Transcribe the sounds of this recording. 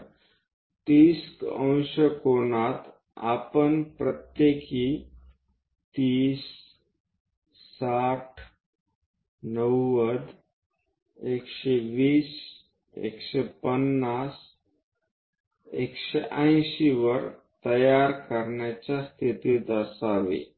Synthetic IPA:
t̪iːskə̃ñɕəkonat̪ | a̰pənpɾət̪jeki | t̪iːs | aʈʰ | nəwːəd̪ | ekʃeʋiːs | ḛkʃepənːas | ekɕeʔə̃j̃ɕiʋəɾt̪əjaɾkəɾɳjat͡ɕast̪ʰit̪id̪əsaʋḛ

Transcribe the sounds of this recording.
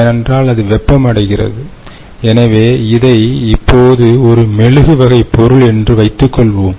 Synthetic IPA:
nɛndraːlɐðɯʋɛpːɐmɐɽɐɪɣɪrɐ̰ðɯ | ɛnɐʋeːɪðɐɪɪpːoːðɯɔɾɯmɛɻɯɣɯʋɐɣɐɪpːɔɾɯɭɛndrɯʋɐɪt̪ːɯkːɔɭʋoːm

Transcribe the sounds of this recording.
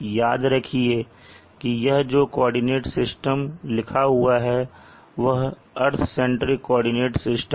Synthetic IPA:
jaːd̪ɾɐkʰie | kijɐɦd͡ʒoːkɔːɾɖɪneːʈsɪsʈəmlɪkʰaɦʊaɦɛ | ʋɐɦ | ɐɾt̪ʰsɛ̃ɳʈɾikɔːɾɖɪneːʈsɪsʈ

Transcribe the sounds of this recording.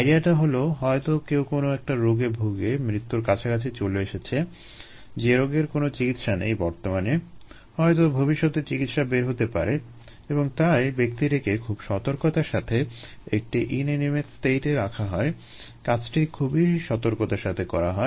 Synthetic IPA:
ajɾiaʈaɦoloɦɔet̪okewkonoɛk̚ʈaɾoɡebʱoɡemɾit̪ːuɾkat͡ɕʰakat͡ɕʰet͡ɕoleeʃet͡ɕʰe | d͡ʑeɾoɡeɾkonot͡ɕikit̪ʃanḛjbɔɾt̪omane | hɔet̪̬obʱobiʃːot̪eɾt͡ɕikit̪ʃabeɾɦot̪epa̰ɾe | eboŋt̪aebek̚t̪iɾekekʰubʃɔt̪oɾkot̪aɾʃat̪ʰeek̚ʈiʔinenimet̪sʈeʈeɾakʰaɦɔe | kat͡ɕʰʈʰikʰubiʃɔt̪oɾkot̪aɾʃat̪ʰekɔɾaɦɔe

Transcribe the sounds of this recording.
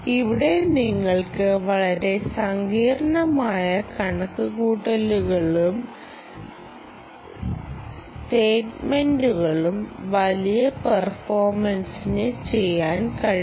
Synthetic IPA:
iʋiɽe̞niŋːɐɭkɨʋɐɭɐɾe̞sɐŋɡiːɾɐɳɐmaːjɐkɐɳɐkːukuːʈːɐluɣɐɭum | sʈeːʈmenduɣɐɭumʋɐlijɐpɐrfo̞ːrmɐnsinɨt͡ɕe̞jːaːnkɐɻi

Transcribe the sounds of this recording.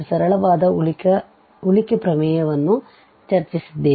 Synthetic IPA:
sɐɾɐɭɐʋaːd̪ɐkɐ | ulikɐpɾɐmɛːjɐʋɐnːu | t͡ʃɐɾt͡ʃisid̪ːeː

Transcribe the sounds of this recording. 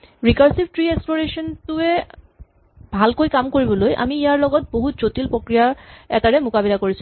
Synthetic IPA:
ɹikaɹsib̚tɹieksploɹeʃɔntuɛ | bʱalkojkamkoɹibɔlojʔa̰miijaɹlɔɡɔt̚boɦutzotilpɹokɹijaɛ̰taɹɛmʊkabilakoɹisʰu

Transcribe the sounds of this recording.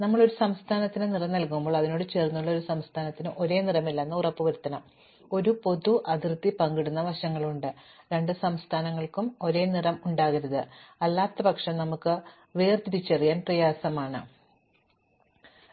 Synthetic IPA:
nɐmːɐɭo̞ɾusɐmst̪ʰaːnɐt̪ːinɨnirɐnnɐlkumbo̞ːɭɐðino̞ːɽɨt͡ɕe̞ːrnːuɭːɐo̞ɾusɐmst̪ʰaːnɐt̪ːinɨʔo̞ɾe̞ːnirɐmilːenːɐurɐpːɨʋɐɾut̪ːɐnɐm | o̞ɾupo̞ðuʔɐd̪irt̪ːipɐŋɡiɽunːɐʋɐɕɐŋːɐɭuɳɖɨɾe̞ɳɖɨsɐmst̪ʰaːnɐŋːɐɭkumo̞ɾe̞ːnirɐmuɳɖaːɣiɾɐðɨɐlːaːt̪ːɐbɐkʂɐnɐmukːɨ | ʋeːrt̪iɾit͡ɕːerijaːnprɐjaːsɐmaːɳɨ̰

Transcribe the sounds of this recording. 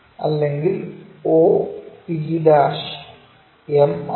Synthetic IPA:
ɐ̰lːeŋɡiloːiid̪aːʂ | em

